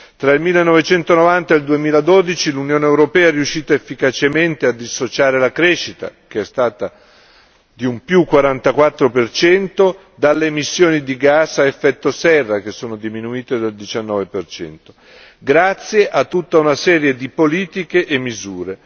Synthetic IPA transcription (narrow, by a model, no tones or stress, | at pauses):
t̪ɾailmilːenːɔvet͡ʃɛnt̪onovant̪aeld̪uemiːlad̪od̪it͡ʃilunjoːneewɾopɛːaɛɾiuʃːiːt̪aefːikat͡ʃement̪ead̪ːisːot͡ʃaːɾelakɾɛʃːit̪a̰k̟eɛst̪aːt̪a | d̪iumpjukːwaɾant̪akwat̪ːɾopert͡ʃɛnt̪o | d̪alːeːmisːjoːnid̪iɡasaefːɛt̪ːosɛrːakesːoːnod̪iminuiːt̪ed̪ald̪it͡ʃanːɔːvepert͡ʃɛ̰nt̪o̥ | ɡɾat̪sːjeʔat̪ːut̪ːaunasɛːɾjed̪ipoliːt̪ikeʔːmːizuːɾe